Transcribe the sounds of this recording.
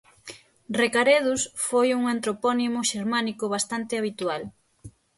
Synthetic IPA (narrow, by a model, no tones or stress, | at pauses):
rekaɾeð̞usfojuŋant̪ɾopɔnimʊʃeɾmanikʊβ̞ast̪ant̪ɪaβ̞it̪ual